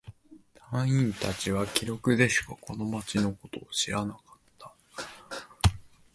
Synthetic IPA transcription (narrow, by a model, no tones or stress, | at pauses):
t̪ãɰ̃ĩnt̪at͡ɕiβakʲiɾo̞kɯ̟d̪e̞ɕɨ̥kakʰo̞no̞mat͡ɕino̞ko̞t̪o̞ːɕiɾanakḁt̪ʰːḁ